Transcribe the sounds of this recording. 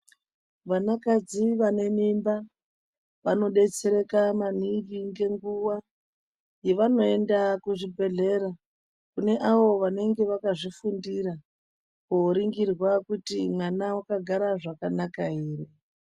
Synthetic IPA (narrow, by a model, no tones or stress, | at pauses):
ʋanakad͡ziʋane̞mimba | ʋano̞ɗe̞t͡se̞ɾe̞kamaniviŋɡe̞ŋɡuwa | je̞ʋano̞e̞ndakuʐibʱe̞ɮe̞ɾa | kune̞ʔaʋo̞ʋane̞ŋɡe̞ʋakaʐifundiɾa | koɾiŋɡirwakutimwanawakaɡʱaɾaʐakanakaiːri